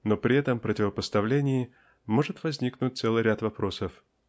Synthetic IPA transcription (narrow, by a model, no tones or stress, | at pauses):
no̞pɾʲɪɛt̪əmpɾətʲɪvəpəst̪ɐvlʲenʲɪjɪ | mo̞ʐɨt̪vɐzʲnʲiknʊt̚ʲt̪sɛlˠɨjɾʲat̪vɐpɾo̞səf